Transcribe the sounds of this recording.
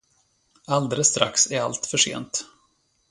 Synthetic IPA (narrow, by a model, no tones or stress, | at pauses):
ald̪eləsːt̪ɾa̰ksæɾa̰lt̪fœʂḛːnt̪